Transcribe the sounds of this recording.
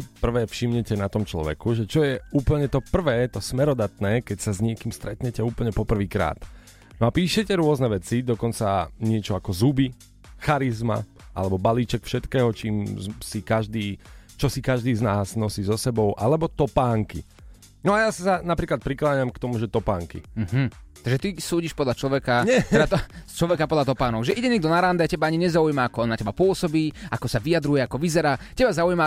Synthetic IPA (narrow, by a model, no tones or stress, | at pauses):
pr̩ʋɛːfʃimɲɛcɛnat̪ɔmt͡ʃlɔ̰ʋɛ̰kuʒɛt͡ʃɔjɛuːpl̩ɲɛt̪ɔpr̩ʋɛːt̪ɔsmɛɾɔd̪at̪nɛːkɛcsazɲɪɛkiːmst̪ɾɛt̪ɲɛcɛuːpl̩ɲɛpɔpr̩ʋiːkɾa̰ːt̪ | nɔapiːʃɛcɛɾʊɔznɛʋɛt͡sid̪ɔkɔnt͡saɲɪɛt͡ʃɔakɔzubi | xaɾizma̰ | ʔa̰lɛbɔbaliːt͡ʃɛkfʃɛt̪kɛːɦɔt͡ʃiːmsikaʒd̪iːt͡ʃɔsikaʒd̪iːznaːznɔsiːzɔsɛbɔʊʔalɛbɔt̪ɔpaːŋkḭ | nɔajasisanapɾiːklat̪̚pɾiklaːɲamkt̪ɔmuʒɛt̪ɔpaːŋkḭm̩ːɦm̩tt̪aɡʒɛt̪isuːɟiʃpɔd̪ʎat͡ʃlɔʋɛkaɲɛɔɛd̪at̪ɔst͡ʃlɔʋɛkapɔd̪lat̪ɔpaːnɔɡʒɛʔiɟɛɲɛːɡ̚d̪ɔnaɾand̪ɛacɛbaaɲiɲɛzaujmaakɔɔnacɛbapʊɔsɔbiːakɔsaʋijad̪ɾujɛakɔʋizɛɾaːcɛbazaujma